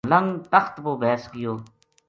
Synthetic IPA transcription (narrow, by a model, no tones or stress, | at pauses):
lə̃ŋɡt̪əxt̪boːbʱɛːskɪjoː